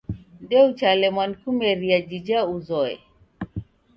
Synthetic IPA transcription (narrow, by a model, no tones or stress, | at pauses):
ndɛut͡ʃalɛmwankumɛɾiad͡ʒid͡ʒauzɔɛ̰